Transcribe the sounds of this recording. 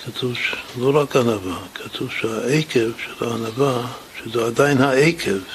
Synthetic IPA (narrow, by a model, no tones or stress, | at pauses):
kʰat̪ʰuvʃloɾakanavakʰat̪ʰuvʃehaejkevʃelaanava | ʃezead̪ajinhaejkʰev